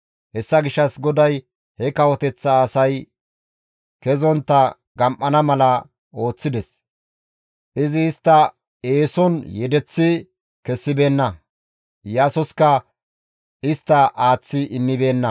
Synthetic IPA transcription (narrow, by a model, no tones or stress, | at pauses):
hɛsːɐɡɪʃːɐsɡɔd̪ɐj | hɛkɐwɔt̪ɛt͡sːɐːsɐj | kɛzɔnt̪ːɐ | ɡɐmʔɐnɐmɐlɐ | o̞ːt͡sːɪd̪ɛs | ʔɪzɪːst̪ːɐ | eːsɔnjɛd̪ɛt͡sːɪ | kɛsːɪbe̞ːnːɐ | jaːsɔskɐ | ɪst̪ːɐʔaːt͡sːɪʔɪmːɪbe̞ːnːɐ